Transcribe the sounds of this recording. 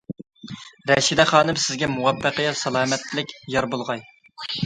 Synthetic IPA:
ɾɛʃid̪ɛχɑːnɨmsɪzɡʲɛmuwɑpʰːəqəjɑsɑlˠɑːmɛt̪lɪkʲjɑɾbolˠʁɑj

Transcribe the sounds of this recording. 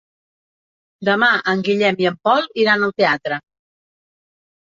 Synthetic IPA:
d̪əmaʔəŋɡiʎɛmiəmpɔlˠiɾanəlˠt̪eat̪ɾə

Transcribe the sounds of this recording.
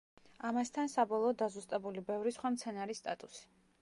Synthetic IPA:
amast̪ʰansabɔlˠɔːd̪azust̪ʼɛbulibɛvɾisχwamt̪sʰɛnaɾist̪ʼat̪ʼusi̥

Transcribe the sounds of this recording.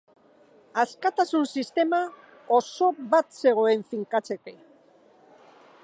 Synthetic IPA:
askat̪asunsist̪e̞ma | oso̞βat̪se̞ɣ̞o̞e̞ɱfiŋkat͡se̞ke̞

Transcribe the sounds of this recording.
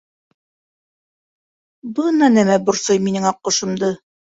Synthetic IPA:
bɤnɑnæmæbŏɾsojminɘŋɑqːŏʃɤ̆md̪ɤ

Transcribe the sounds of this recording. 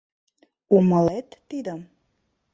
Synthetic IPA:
uməlet̪ːid̪əm

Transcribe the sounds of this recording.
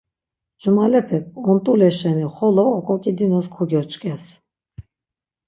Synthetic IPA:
d͡ʒumalɛpʰɛk̚ʼɔnt̪ʼulɛʃɛniχɔlɔːkʼɔkʼid̪inɔskʰuɡʲœɾt͡ʃʼkʼɛs

